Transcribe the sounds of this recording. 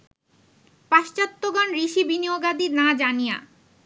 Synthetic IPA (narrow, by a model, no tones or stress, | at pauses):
paʃt͡ɕat̪ːoɡɔnɾiʃibinioɡad̪inad͡ʑanija̰